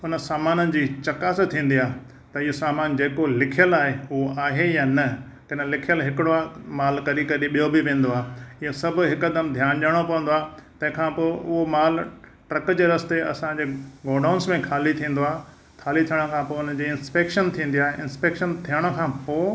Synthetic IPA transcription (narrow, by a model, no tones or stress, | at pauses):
ʊnə̆saːmaːnənɪ̆d͡ʑiːt͡ɕɐkaːst̪ʰĩːn̆d̪ijaːɦ | t̪ɐɪjosaːmaːnd͡ʑeːkolɪkʰijəlaːɦeʊɦoaːɦejaːnɐ | kɐnlɪkʰijəlɦɪkɪɽoamaːlkɐɾikɐɾiɓijobɪʋẽːn̆d̪oaːɦeɪjosɐbʱʊ̆ɦɪkɐd̪əmd̪ʱjaːñʄaːɽ̃opɐʋə̃n̆d̪oaːt̪ɐ̃ɦɪ̃kʰãːpoːʊɦomaːlʈɾɐkd͡ʑeːɾɐst̪eɐ̰sãɲd͡ʑeːɡoːɾɖaːʊnsmẽkʰaːlit̪ʰĩːn̆d̪oaːɦe | kʰaːlit̪ʰijəɽ̃kʰãːpoːʊnəd͡ʑiːɪ̃nspeːkʃənt̪ʰĩːn̆d̪ijaːɦeɪ̃nspeːkʃənt̪ʰijəɽ̃ʊ̆kʰãːpoː